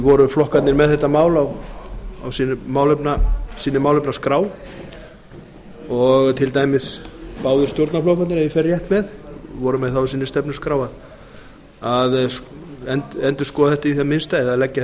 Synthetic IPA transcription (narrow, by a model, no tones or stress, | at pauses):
vɔɾʏflɔhkat̪nɪɾmɛðθɛht̪ːamaːwlaw | a̰wsinmaːwlʏpnasiːnɪmaːwlʏpnaskɾaːw | ɔɣt̪ʰɪlt̪aːjmɪspaːwðʏ̥st̪joɾt̪naflowfat̪nɾajɪfɛrjɛht̪mɛðvɔɾʏmɛðθawsiːnɪst̪ɛpnʏ̥skɾaːwað | að | ɛntɛnt̪ʏ̥skɔːðaθɛht̪aiθamɪnst̪aɛðaðlɛcːa